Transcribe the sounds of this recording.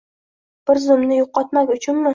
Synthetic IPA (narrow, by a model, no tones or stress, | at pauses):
b̥ɪɾzʊmnɪjoqːɒt̪makʲʊt͡ʃʰʊnmɪ